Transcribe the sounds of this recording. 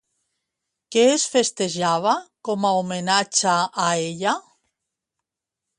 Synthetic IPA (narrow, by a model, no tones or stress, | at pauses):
keesfest̪eʒaβ̞akomaomenat͡ʃaːeʎa